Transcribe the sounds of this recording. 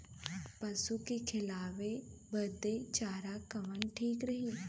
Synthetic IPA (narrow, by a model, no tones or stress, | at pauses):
pɐsukekʰɪlaːʋebəd̪et͡ʃaːɾakɐʋənʈʰiːkɾəɦiː